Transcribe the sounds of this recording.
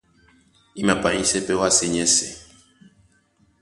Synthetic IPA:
i˦mã˨pa˨ĩ˦sɛ˦pɛ˦wa˦se˦ɲɛ̃˦sɛ̰˨

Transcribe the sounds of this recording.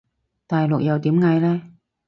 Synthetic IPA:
t̪aː˨jlʊ˨k̚jɐ˨˧wt̪iː˨˥mŋɐ˨˧jlɛː˥

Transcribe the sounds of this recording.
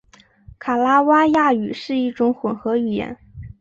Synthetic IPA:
kʰa˨˩la˥wa˥ja˥˩y˨˩ʂɻ̩˥˧i˥˩ʈ͡ʂʊ˧˥ŋxwə˨˩nxɤ˧˥y˨˩jɛ̰˧˥n

